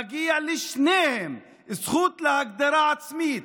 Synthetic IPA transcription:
aɡijalɪʃneːhɪm | ɪsxuːt̪lahak̚d̪aɾˤaːʕat̪smiːt̪

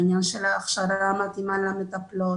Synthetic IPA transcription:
ɲanʃelaːχʃaɾamat̪imalamet̪aplo

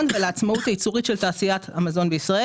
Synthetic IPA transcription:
nveleat͡smautait͡suʁitʃe̞ltaːsijat̪ʰamazo̞nbeisʁae

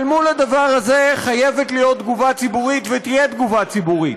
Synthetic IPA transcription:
lmulad̪avaʁhaze̞χaje̞vet̪lijo̞t̪̚d̪ɡuvat͡sibuʁit̪vet̪ijed̪ɡuvat͡sibuʁit̪

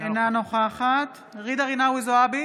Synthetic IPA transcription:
enanoχaχat̪ | ʁid̪aʁinawizoabi

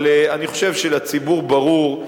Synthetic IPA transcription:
leaniχo̞ʃe̞vʃelat͡sibuʁbaʁuʁ

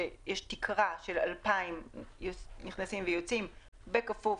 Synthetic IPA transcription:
ejeʃtikʰʁaʃela̰lpaimjoniχnasimvejot͡sim | bekafu

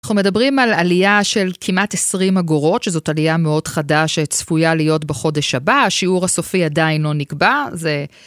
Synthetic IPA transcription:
naχnume̞dabʁimalalijaʃe̞lkʰimatesʁimaɡoʁo̞tʃezo̞talijameo̞dχadaʃet͡sfujalijo̞tbeχo̞de̞ʃabaʃiuʁaso̞fiadainlo̞nikbaze

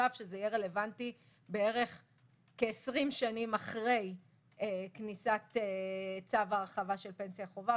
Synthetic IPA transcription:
afʃezejeʁe̞le̞vanti | be̞e̞ʁe̞χ | keːsʁimʃanimaχʁe̞j | eknisat̪et͡savaːʁχavaʃe̞lpensjaχo̞va

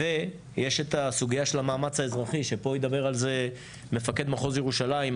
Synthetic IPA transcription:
e | jeʃe̞t̪asuɡijaʃe̞lamaːmat͡shaezʁaχiʃe̞po̞jid̪abe̞ʁalze̞ | me̞fake̞d̪maχo̞zjeʁuʃalaim

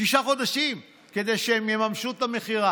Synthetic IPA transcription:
ʃiʃaχo̞d̪aʃim | ke̞d̪e̞jʃeemjemamʃut̪ame̞χiʁa

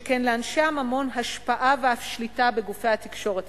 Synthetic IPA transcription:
kenleanʃeamamo̞nɦaʃpaʔaveafʃlitabeɡufejhat̪ikʃo̞ʁet

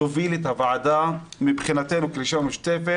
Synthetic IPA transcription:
ovilet̪havaʕad̪amibχinat̪enukliʃamuʃt̪efe

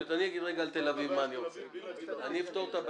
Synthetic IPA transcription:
ot̪aniaɡid̪ʁeɡaːlt̪elavivmanjo | aniift̪oʁt̪ab

